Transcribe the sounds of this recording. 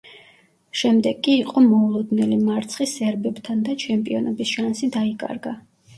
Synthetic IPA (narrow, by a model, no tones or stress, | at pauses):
ʃɛmd̪ɛɡʼiːqʼɔmɔulˠɔd̪nɛlimaɾt̪sʰχisɛɾbɛb̥t̪ʰand̪at͡ʃʰɛmpʼiɔnɔbisʃansid̪aikʼa̰ɾɡa